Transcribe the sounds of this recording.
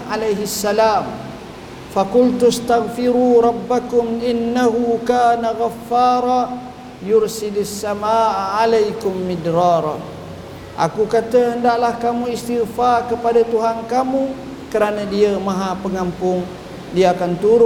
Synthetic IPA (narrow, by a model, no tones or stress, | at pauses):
alajɦisːalaːm | fakʊlt̪ust̪aɣfiɾuɾˤɑbːakʊmʔɪnːaɦukaːnaɣafːaːɾˤa | jʊɾsɪdasːamaʔːalajkʊmːidɾɑɾ | ʔa̰kukat̪əəndaʔlahkamuist̪iɣfakəpadat̪uɦankamu | kəɾanadiamaɦapəŋampʊŋ | diaakant̪uɾʊ